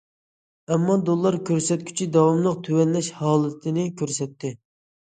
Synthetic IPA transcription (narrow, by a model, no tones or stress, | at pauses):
ɛmːɑd̪olˠːɑɾkʲʰøɾsɛt̪̚kʲʰy̥t͡ʃʰid̪ɑwɑmlˠəq̚t̪ʰywɛnlɛʃhɑːlˠɨt̪ʰɪnɪkʲʰøɾsɛt̪ːɪ